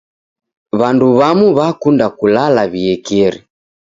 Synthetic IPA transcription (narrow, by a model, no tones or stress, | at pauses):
βanduβamuβakundakulalaβiɛkɛɾi